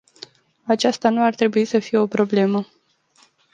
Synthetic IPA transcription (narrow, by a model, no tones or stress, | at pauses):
at͡ʃast̪anuart̪ɾe̞buisəfije̞o̞pɾo̞ble̞mə